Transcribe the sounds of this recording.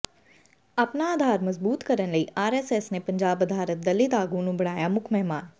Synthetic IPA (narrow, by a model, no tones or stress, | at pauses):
ɐpnaaːd̪ʱaːɾmɐzbuːt̪kɐɾənlɐiʔaːɾɛːseːsnepɐ̃ɲd͡ʒaːbɐd̪ʱaːɾət̪̚d̪ɐlɪt̪aːɡũnũbɐɽ̤̃aːjamʊkʰmɛɦmaːn